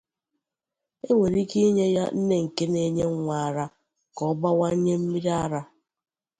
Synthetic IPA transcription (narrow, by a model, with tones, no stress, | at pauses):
e˦we˨ɾi˦ki˦ɲe˦ja̰˦n̩˦ne˦ŋ̩˨ke˦ne˦ɲe˦ŋ̩˦ŋʷa˨a˨ɾa˦ | kɔ˦ba˦wa˦ɲe˦m̩˦mi˦ɾi˦a˦ɾa˦